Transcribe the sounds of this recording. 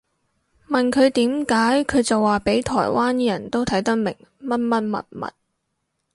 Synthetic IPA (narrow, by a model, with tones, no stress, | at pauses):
mɐ˨nkʰɵ˨˧ɥt̪iː˨˥mkaː˨˥jkʰɵ˨˧ɥt͡sɐ˨waː˨˩pe˨˥jt̪ʰɔ̰ː˨˩jwaː˥n˥jɐ˨˩nt̪o˥wt̪ʰɐ˨˥jt̪ɐ˥k̚mɪ̰˨˩ŋmɐ˥t̚mɐ˥t̚mɐ̰˨t̚mɐ̰˨t̚